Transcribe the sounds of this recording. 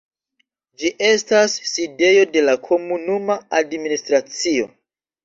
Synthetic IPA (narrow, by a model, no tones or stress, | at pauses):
d͡ʒiʔe̞stasːide̞jo̞de̞lakʰo̞munumaadministɾat͡sio̞̰